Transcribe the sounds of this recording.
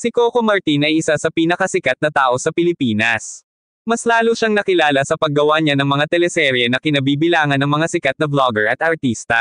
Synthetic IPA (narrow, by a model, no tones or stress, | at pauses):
sɪkokomɐɹt̪inɐjʔɪsasɐpiːnɐkɐsɪkat̪̚nɐt̪aːʔo̞sɐpɪlɪpiːnɐs | mɐslaːloʃaŋnɐkɪlaːlɐsɐpɐɡːɐwaɲanɐŋmɐŋat̪ɛlɛsɛɾjɛnɐkɪnɐbiːbɪlaːŋɐnɐŋmɐŋasɪkat̪̚nɐbloɡɛɹɐt̪ʔɐɹt̪iːst̪ɐ